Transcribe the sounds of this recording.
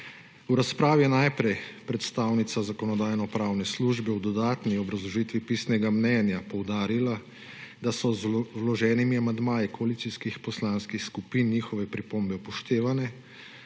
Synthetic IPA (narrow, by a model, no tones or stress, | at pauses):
uɾaspɾaːʋijɛnajpɾɛjpɾɛt̪st̪aːwnit̪sazakɔnɔd̪aːjnɔpɾaːwnɛsluːʒbɛwd̪ɔd̪aːt̪niɔbɾazlɔʒiːt̪ʋipiːsnɛɡamnɛnjapɔwd̪aːɾila | d̪asɔzlɔʒɛːnimiamand̪maːjikɔaliːt̪iskixpɔslaːnskixskupiːnːiːxɔʋɛpɾipombɛpɔʃt̪eːʋanɛ